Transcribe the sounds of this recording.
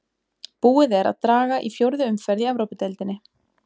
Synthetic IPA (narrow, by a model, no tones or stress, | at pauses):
puːɪðɛɾa̰ðt̪ɾaːɣaʔifjowɾðʏʏmfɛɾðiavɾowpɪt̪ɛlt̪ɪnːɪ